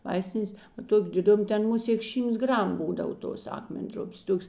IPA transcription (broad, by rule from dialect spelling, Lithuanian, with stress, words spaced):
ˈʋɐɪsʲtʲɪnʲeːs ˈtoːkʲ dʲɪˈdʊm ˈtʲɛn ˈmʊˌsʲeːk ˈʃʲiːmts ˈɡrɐm ˈbuːdɐw ˈtoːs ˈɑːkmʲɛnʲˌdrʊpʲeːs ˈtoːks